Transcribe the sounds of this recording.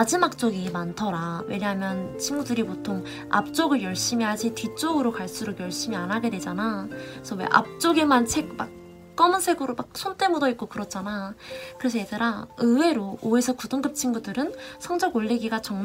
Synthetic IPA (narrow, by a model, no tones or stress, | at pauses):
ad͡ʑimak̚t͡ɕ͈oɡimantʰʌɾawḛɲjɦamjʌnt͡ɕʰinɡudɯɾipotʰoŋ | a̰p̚t͡ɕ͈oɡɯɭjʌɭɕ͈imiɦad͡ʑitit͡ɕ͈oɡɯɾokaɭs͈uɾokjʌɭɕ͈imianɦaɡe̞dwe̞d͡ʑanasʰʌwe̞̰ʔa̰p̚t͡ɕ͈oɡemant͡ɕʰe̞k̚mak̚ | k͈ʌmɯnsʰe̞ɡɯɾomak̚sʰont͈ʰe̞modʌit̚k͈okɯɾʌt̚t͡ɕ͈anakɯɾe̞s̬ʰʌjetaɾaɯwe̞ɾooe̞sʰʌkudɯŋɡɯp̚t͡ɕʰiŋɡudɯɾɯnsʰʌŋd͡ʑʌɡoɭːeɡiɡat͡ɕʌŋm